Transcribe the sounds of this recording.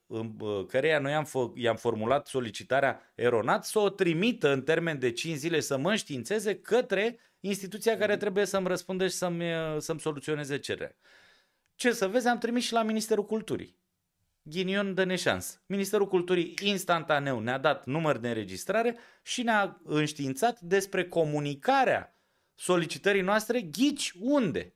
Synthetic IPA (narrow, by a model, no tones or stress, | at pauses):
ɨnkəɾe̞jano̞jamfəjamfo̞rmulat̪so̞lit͡ʃit̪aɾeaeɾo̞nat̪səot̪ɾimit̪əɨnt̪e̞rme̞nd̪e̞t͡ʃint͡ʃzile̞səməɨnʃt̪int̪se̞ze̞kət̪ɾe̞ | inst̪it̪ut̪siakaɾe̞t̪ɾe̞buje̞səmɾəspund̪əʃi̥səmsəmso̞lut̪sio̞ne̞zet͡ʃe̞ɾḛɾa̰ | t͡ʃe̞səve̞zʲamt̪ɾimisʃilaminist̪e̞ɾukult̪ṵɾḭ | ɡʲinio̞nd̪ene̞ʃa̰nsə̥minist̪e̞ɾukult̪uɾiinst̪ant̪ane̞wnead̪at̪numərd̪eɨɾe̞d͡ʒḭst̪ɾaɾe̞ | ʃineaɨnʃt̪int̪sat̪d̪e̞spɾe̞ko̞munikaɾea̰ | so̞lit͡ʃit̪əɾijnoast̪ɾe̞ɡʲit͡ʃʲund̪e̞̰